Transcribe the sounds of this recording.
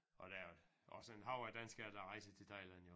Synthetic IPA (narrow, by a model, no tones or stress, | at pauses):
ʔɒd̥æjo | ɒ̽səenɦɑ̈ʊæɐd̥ænsɡ̥æɐd̥æʁɑ̈ɪsət͡sʰe̝t͡sʰɑ̈ɪlænjo